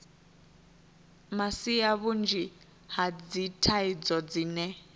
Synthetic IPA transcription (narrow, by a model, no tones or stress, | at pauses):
masijaβund͡ʒi | had͡zitʰaid͡zɔd͡zinɛ